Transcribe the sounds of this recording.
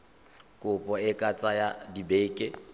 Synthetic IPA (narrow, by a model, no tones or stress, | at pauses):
kʼʊpʼɔɪkʼat͡sʼajadibeːkʼɪ